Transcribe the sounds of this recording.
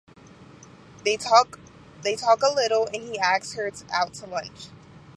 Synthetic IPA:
ðeɪ | ðeɪtʰɔkəlɪɾl̩ˠɨ̃niæk̚shə˞tʔa̰ʊtʰəlʌ̃nt͡ʃ

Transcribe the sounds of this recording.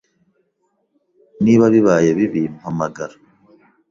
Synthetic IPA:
niβaβiβaːjeβiβimuhamaɡaɾa

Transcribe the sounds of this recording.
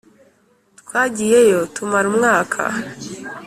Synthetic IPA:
tkwaːɟije̞jo̞tumaɾumŋaːkʰa̰

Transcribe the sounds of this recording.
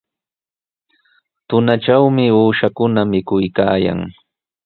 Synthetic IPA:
t̪ʊnaʈ͡ʂawmɪuːʃakʊnamɪkʊjkaːja̰ŋ

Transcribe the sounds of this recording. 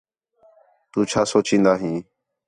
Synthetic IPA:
t̪uːt͡ʃʰaːsoːt͡ʃĩːnd̪aːɦĩː

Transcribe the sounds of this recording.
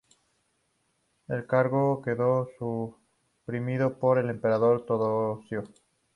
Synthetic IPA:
e̞lkaɾɣo̞ke̞ðo̞su | pɾimiðopo̞ɾe̞le̞mpe̞ɾaðo̞ɾt̪oðosjo

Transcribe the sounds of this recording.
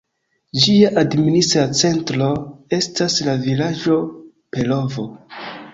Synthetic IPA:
d͡ʒiaʔadministɾat͡se̞ntɾo̞e̞staslavilad͡ʒo̞ | pe̞lo̞vo̞

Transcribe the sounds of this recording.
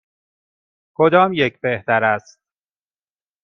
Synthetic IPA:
kʰod̪ɒːmjecʰbeht̪æɾæst̪̚

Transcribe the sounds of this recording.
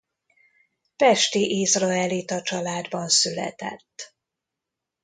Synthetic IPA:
pɛʃt̪iʔizrɒɛlit̪ɒt͡ʃɒlaːd̪bɒnsylɛ̰t̪ɛ̰t̪ː

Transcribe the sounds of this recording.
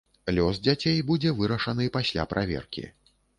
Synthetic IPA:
lʲɔzd͡zʲat͡sʲejbud͡zʲɛvɨɾɐʂɐnɨpasʲlʲa̰pɾʔavʲɛ̰rkʲḭ

